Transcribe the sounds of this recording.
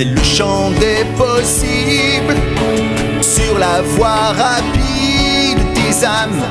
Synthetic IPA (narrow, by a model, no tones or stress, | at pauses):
ɛləʃɑ̃ | d̪ɛpɔsi | bl | syʁlavwaʁa | pid̪ːezam